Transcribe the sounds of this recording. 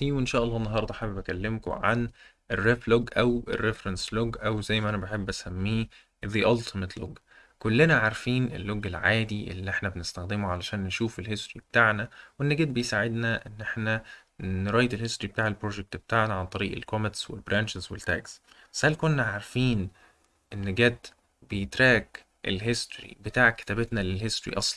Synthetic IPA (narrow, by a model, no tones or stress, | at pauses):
fiːwʔenʃæːʔɑlːɑːenːɑɦɑɾˤd̪ˤɑħabebækælːemko̰ʕa̰n | ʔerːefloɡʔæwʔḛrːefɾɑnsloɡʔæwzæjːmæʔænæbaħebːʔæsæmːiː | ðiʔɑlt̪met̪lo̰ɡ | kolːenæʕaɾfiːnʔḛlːoɡːelʕaːd̪iʔḛlːiʔeħnæbenɪst̪æxd̪emuʕalæʃæːnːeʃuːfelhest̪ɾibet̪aːʕnæwenːeɡæd̪̚bejsaʕed̪næʔenːʔeħnæ | nɾɑːjd̪elhest̪ɾib̥̚t̪aːʕelpɾoːʒek̚t̪bet̪aːʕnæʕant̪ˤɑɾiːʔḛlkomet̪swḛlbɾæːnʃezwelt̪æ̰ːksbæ̥shælkonːæʕaɾfiːn | ʔenːɡæd̪ | bejet̪ɾæːɡ | ʔḛlɦest̪ɾḭbet̪aːʕke̥t̪æbet̪nælelɦest̪oɾḭʔɑsˤlɑn